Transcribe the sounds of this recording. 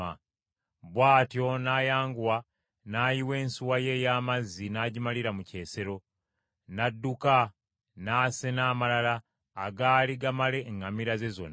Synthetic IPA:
a | βwaːtjo̞naːjaːŋɡuwa | naːjiwe̞ːnsuwaje̞jaːmazːinaɟimaliɾamuce̞ːse̞ɾo̞ | nadːuka | naːse̞naːmalalaː | ɡaliɡamale̞ŋɡamiɾaze̞zo̰na

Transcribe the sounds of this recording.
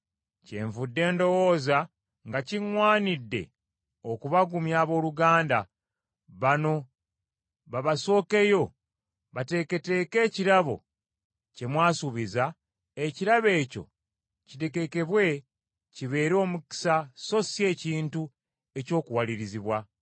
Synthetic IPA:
ce̞̰ːɱvudːe̞ːndo̞wo̞ːza | ŋɡaciŋwaːnidːe̞̰ | okuβaɡumjaːβo̞ːluɡaːnda | βano̞ | βaβaso̞ːke̞jo̞ | βate̞ke̞te̞ːke̞ːciɾaβo̞̰ | ce̞mwaːsuβiza | eciɾaβe̞ːco̞̰ | cite̞ke̞ke̞βwe̞ | ciβe̞ːɾo̞ːmuki̥saso̞sje̞ːciːntu | e̞co̞ːkuwaliɾiziβwa

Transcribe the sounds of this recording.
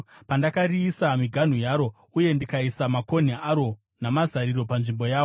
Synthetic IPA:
pandakariːsamiɡʱan̤ujaːɾo̞ | uje̞ndikaisamako̞n̤eaɾo̞ | namazaɾiɾo̞panʐimbo̞jaːo

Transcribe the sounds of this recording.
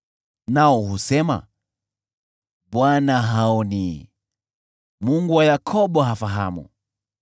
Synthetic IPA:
naɔɦusɛma̰ | ɓwanaɦaɔni | muŋɡuwajakʰɔɓɔɦafaɦamṵ

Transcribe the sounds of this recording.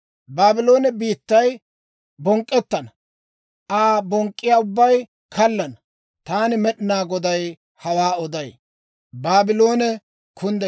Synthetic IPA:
baːbɪlo̞ːnɛbiːt̪ːɐj | bɔŋkʼːɛt̪ːɐnɐ | ʔaːbɔŋkʼːɪjaːʊbːɐj | kʰɐlːɐnɐ | t̪aːnɪmɛɗɪnaːɡɔd̪ɐj | hɐwaːɔd̪ɐj | baːbɪlo̞ːnɛ | kʰʊnd̪ɛ

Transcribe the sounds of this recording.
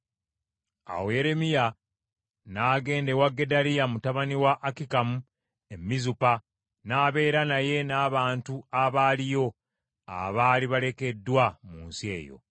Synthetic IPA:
a̰woje̞ɾe̞mija | naːɡe̞ːnde̞waɡːe̞dalijamutaβaniwaʔːkikamu | e̞mːizupa | naːβe̞ːɾanaje̞naːβaːntuaβaːlijo̞ | a̰βaːliβale̞ke̞dːwamuːnsie̞ːjo̞̰

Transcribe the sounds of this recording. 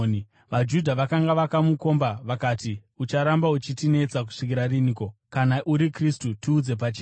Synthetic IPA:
ʋad͡ʒudʱaʋakaŋɡaʋakamuko̞mbaʋakaːtiut͡ʃaɾambaut͡ʃitine̞t͡sak̬u̥ʂik̬iɾariniːko̞kanaʔuɾikristutiːd͡ze̞p̬at͡ʃe

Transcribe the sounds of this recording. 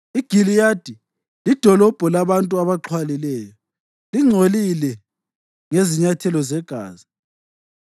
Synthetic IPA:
iɡ̥ʱilijad̥ʱi | lid̥ʱɔlɔb̥ʱɔlaβantʼuaβaǃʰwalilɛːjɔ | liŋ͡ǀʱolilɛ | ŋeziɲatʰɛlɔzɛɡ̥ʱa̰ːzi

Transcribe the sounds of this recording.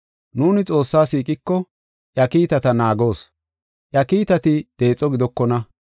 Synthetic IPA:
nuːnɪt͡sʼo̞ːsːaːsiːkʼɪkːɔ | ʔjɐkiːt̪ɐt̪ɐnaːɡo̞ːs | ʔjɐkiːt̪ɐt̪ɪd̪̥e̞ːt͡sʼːɔɡɪd̪ɔkːɔnɐ

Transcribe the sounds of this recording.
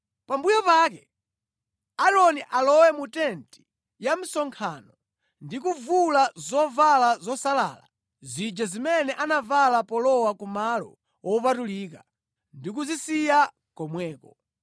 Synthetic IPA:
pambujɔpak̬ɛ | aɾɔniʔalɔwɛmutɛnti̥ | jam̩sɔŋkʰanɔ | ndikuvulazɔvalazɔsala̰ːla̰ | zid͡ʒazimɛnɛʔanavalapɔlɔwakumalɔ̰ | wɔpatulika | ndik̬uzisija | kɔmwɛːkɔ

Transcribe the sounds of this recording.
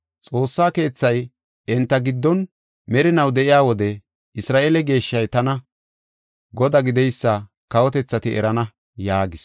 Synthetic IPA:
t͡sʼo̞ːsːaːke̞ːt͡sːɐj | ɛnt̪ːɐɡɪd̪ːɔn | mɛɾɪnɐwd̪ɛʔɪjaːwɔd̪ɛ | ɪsɾaːʔeːlɛɡe̞ːʃːɐjt̪ɐnɐ | ɡɔd̪ɐɡɪd̪ɛjsːɐ | kɐwɔt̪ɛt͡sːɐt̪ɪʔɛ̰ɾɐnɐ | jaːɡɪs

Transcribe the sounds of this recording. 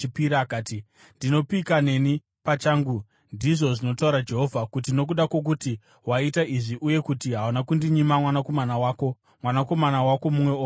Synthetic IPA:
piɾakaːti | ndino̞pikane̞ni | pat͡ʃaːŋɡu | ndiʐo̞ʐino̞tauɾad͡ʒe̞ɦo̞vʱakut̬ino̞k̬uɗakwok̬uti | waitaiʐiʔuje̞kutiɦawunakundiɲimamwanako̞manawaːko̞ | mwanako̞manawako̞mumwe̞oː

